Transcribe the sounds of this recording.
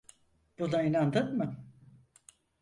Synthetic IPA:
b̥unainand̪ɯnmɯ

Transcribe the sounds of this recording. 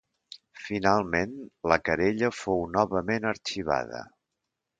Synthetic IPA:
finalˠmenləkəɾeʎəfownɔβəmenəɾt͡ʃiβ̞a̰ðə̰

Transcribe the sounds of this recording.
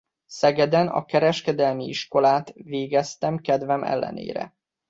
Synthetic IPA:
sɛɡɛd̪ɛnɒ̰kɛɾɛʃkɛd̪ɛlmiiʃko̞laːt̪ʋeːɡɛst̪ɛmkɛd̪vɛmʔɛ̰lːɛ̰nḛːɾɛ̰

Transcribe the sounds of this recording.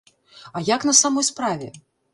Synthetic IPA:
ajakn̪ɐsamɔjspɾavʲɛ

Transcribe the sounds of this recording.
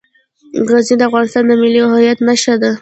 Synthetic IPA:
ɣɑznid̪əafɣɑnɪst̪ɑnd̪əmɪliɦajat̪naʃad̪a

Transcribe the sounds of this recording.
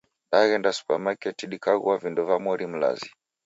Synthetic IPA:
ɗaɣɛndasu̥pamakɛtiɗikaɣṵavindɔvamɔɾim̩la̰zi

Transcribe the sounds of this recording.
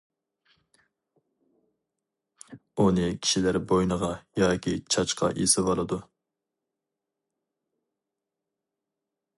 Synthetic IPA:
unɨkʲʰi̥ʃilæɾbojnəʁɑjɑːkʲʰit͡ʃʰɑt͡ʃqʰɑ̰ʔesɪvɑlˠɨd̪u

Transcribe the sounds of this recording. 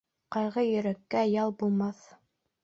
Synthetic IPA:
qɑjʁɤjɵ̆ɾækːæjɑlˠbulˠmɑθ

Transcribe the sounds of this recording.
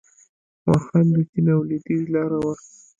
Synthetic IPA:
wɑɾxand̪əzinawlid̪izlɑɾawaɾ

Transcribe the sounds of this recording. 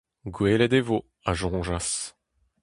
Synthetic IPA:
ɡweːlɛd̪evo | aʒɔ̃ːʒas

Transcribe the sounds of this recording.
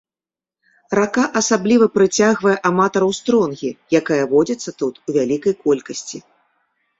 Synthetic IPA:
rakaʔɐsablʲivɐpɾɨt͡sʲaɣvɐjɛʔamat̪ɐɾɐwst̪ɾɔnɣʲijakajɐvɔd͡zʲɐt̪sːɐt̪ut̪uvʲalʲikɐjkɔlʲkɐsʲt͡sʲi

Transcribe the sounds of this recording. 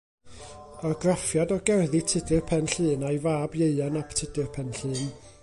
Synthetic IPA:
arɡrafjadɔɡɛrðitʰɪdɨrpʰɛnɬɨːnajvaːbjeɨanaptʰɪdɨrpʰɛnɬɨːn

